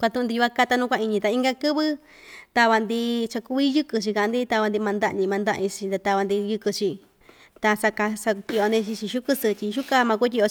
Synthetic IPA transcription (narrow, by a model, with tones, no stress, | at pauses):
kʷa˧t̪ũ˧ũ˧nd̪i˧ju˧a˧˦˧ka˧t̪a˧nũ˦kʷa˧i˧ɲĩ˧t̪a˧i˦ŋɡa˧kɨ˦βɨ˦ | t̪a˧βa˧nd̪i˧t͡ʃa˧ku˧˦i˦jɨ˦kɨ˧t͡ʃi˧ka˧˨˧nd̪i˦t̪a˧βa˧nd̪i˧mã˧nd̪a˦˧ʔɲĩ˧mã˧nd̪a˦ʔĩ˧t͡ʃi˧nd̪a˧t̪a˧βa˧nd̪i˧jɨ˧kɨ˧t͡ʃi˧ | t̪a˧sa˧ka˧sa˧t̪ʲi˧ʔo˧nd̪i˧t͡ʃi˧t͡ʃi˧ʃu˦kɨ˧sɨ˧tʲi˧ʃu˦ka˧mã˧ku˦t̬ʲi˧o˧